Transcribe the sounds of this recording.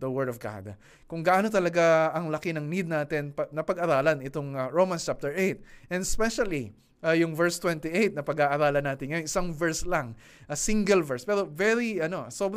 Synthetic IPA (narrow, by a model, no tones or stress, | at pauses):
d̪ɐwɛɹd̪ɔvɡa̰d̪ | kʊŋɡɐʔaːnot̪ɐlɐɡaɐŋlɐkɪnɐŋnid̪̚naːt̪ɪnpɐnɐpɐɡɐɾaːlɐnɪt̪oŋɹowmɐ̃nst͡ʃap̚t̪ɛɹʔejt̪̚ʔɛnɛspɛʃɐli | ʔajʊŋvɛɹst̪wɛnt̪iʔejt̪̚nɐpɐɡaːʔɐɾaːlɐnːaːt̪ɪnŋɐjo̞nʔɪsaŋvɛɹslɐŋ | ʔɐsiŋɡɛlvɛɹspɛɾo̞vɛɹiʔɐno̞sob